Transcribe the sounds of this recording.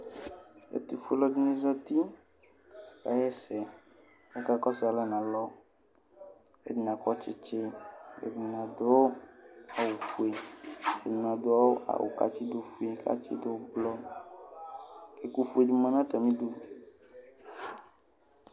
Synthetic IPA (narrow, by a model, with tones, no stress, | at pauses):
ḛ˦t̪i˨fu˦lɔ˦ɖi˦nẽ˦zɔ˦t̪i˦ | ka̰˨˦jɛ˦sɛ˨ | e˦ka˦kɔ˦sa˨lɛ˦nã˨lɔ˦ | ḛ˦di˨nã˨kɔ˦t͡ʃe˦t͡ʃe˦ḛ˨di˨nã˨d̪o˦o˦a˨wo˨fu˨e˨ḛ˨nĩ˨nã˨d̪o˦a˦wo˦ʔa̰˨wo̰˨ka̰˦t͡ʃi˦d̪o˦fu˦e˨ka̰˦t͡ʃḭ˦d̪o˦blɔ˦ | ke˨ku˦fu˦e˨d͡ʒi˦mã˨nã˦t̪ɛ˨mĩ˦d̪o˦